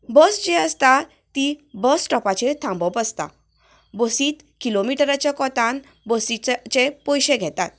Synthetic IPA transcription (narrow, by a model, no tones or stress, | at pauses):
bəsd͡ʑeəst̪a | t̪ːibəsʈɔpat͡ɕet̪ʰãmbɔpəst̪a̰ | bosiːt̪ | kilomiʈəɾat͡ɕjakɔt̪ãn | bosit͡ɕepɔjɕẽɡʱɛt̪a̰t̪̚